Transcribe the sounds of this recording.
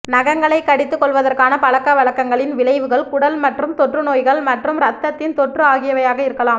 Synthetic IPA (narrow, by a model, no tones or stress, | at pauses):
nɐɣɐŋɡɐɭɐɪkːɐɽɪt̪ːɯkːɔɭʋɐðɐrkaːnɐpɐlɐkːɐʋɐɭɐkːɐŋɡɐɭɪnʋɪlɐɪʋɯɣɐɭkʊɽɐlmɐʈrɯmt̪ɔʈrɯnoːjɣɐɭmɐʈrɯmɾɐt̪ːɐt̪ːɪnt̪ɔʈrɯaːɣɪjɐʋɐjaːɣɐɪɾɯkːɐlaːm